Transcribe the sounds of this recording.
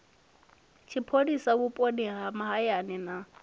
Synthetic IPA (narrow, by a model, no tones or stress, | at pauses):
t͡ʃʰipʰodisakupʼodɛɦamaɦajanɛna